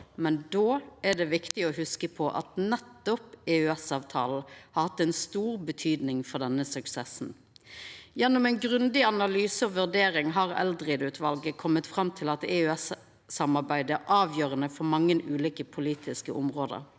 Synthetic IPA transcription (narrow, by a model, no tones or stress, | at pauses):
mɛnd̪oːæɖ̪ɛʋɪkt̪ɪɔhʉskəpʰɔʔɑ̰t̪nɛt̪ːɔpɛʉɛsɑːʋt̪ʰɑ̰ːln̩hɑɾhɑt̪ːɛɪnst̪uːʁbət̪ʰyːd̪nɪŋfɔʁd̪ɛnːəsʉksɛsn̩ | jɛnːɔmɛnɡʁʉnd̪ɪɑnɑlyːsəɔʋʉʁd̪eːɾɪŋɦɑːʁɛ̰ld̪ʁɪd̪ʉːt̪ʰʋɑlɡəkʰɔmːət̪fɾɑmt̪ʰɪlɑt̪ɛʉɛsː | ɑmɑʁbæɪd̪əʔɑːʋjøːʁənəfɔɾmɑŋːənʉːliːkəpʰʊliːt̪ʰɪskəʔʊmʁoːd̪ə̰ɾ